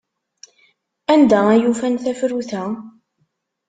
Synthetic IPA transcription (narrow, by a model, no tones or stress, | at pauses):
ænd̪ææjufænθæfɾuθæ